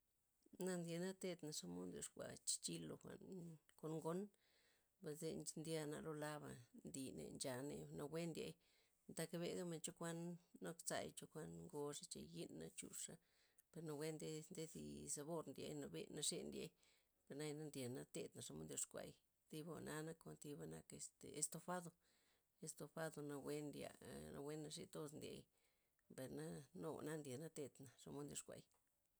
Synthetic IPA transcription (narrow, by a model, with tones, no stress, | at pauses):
na˦˧nd̪ja˧na˦t̪e˦t̪na˨ʂa˦mo˦nd̪jo˧ʂkʷa̰˨t͡ʃi̥˧t͡ʃi˦lo˧xʷa̰˨nko˧nŋɡo˦n | ba˧ze˧nnd̪ʲja˧na̰˧lo˦la˦βa˨nd̪i˨nḛ˨nd͡ʒa˨ne˧no˧wʷe˦nd̪ʲḛ˧j̪ | t̪a˧ka˧be˧ɡa˦me˧nt͡ʃo˦kʷa˦nːo˦kt͡sa̰˧jt͡ʃo˧kʷa˦nŋɡo˧ʂa˦t͡ʃḛ˨ji˦nːa̰˧t͡ʃṵ˧ʂa˦ | pe˧ɾno˧we˦nd̪e˦nd̪e˦d̪ḭ˧sa˧βo˦ɾnd̪jḛ˧jna˧bḛ˧na˧ʂe˧nd̪je˧j | pe˨ɾna˦jna˦nd̪ʲe˨na˦t̪e˦t̪na˨ʂa˧mo̰˦nd̪jo˧ʂkʷa̰˨j | t̪i˧bo̰˧na˧na˦ko˧nt̪i˧ba˦na˧ke˧st̪e˨e˧st̪o˧fa˦d̪o˧ | e˧st̪o˧fa˦d̪o˧na˧we˦nd̪ja̰˧na̰˧wʷe˦nːa˧ʂḭ˧t̪o˦snd̪jḛ˧j | be˨ɾna˦no˧˨na˦nd̪ʲe˨na˦t̪e˧t̪na˨ʂa˧mo˦nd̪jo˧ʂkʷa̰˨j